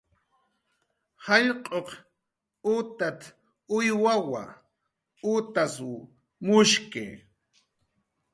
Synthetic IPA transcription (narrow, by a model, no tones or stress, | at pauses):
hɑʎqʼoq | ʊt̪at̪ | ʊjwawa̰ | ʊt̪asʊ | mʊʃkɪ̰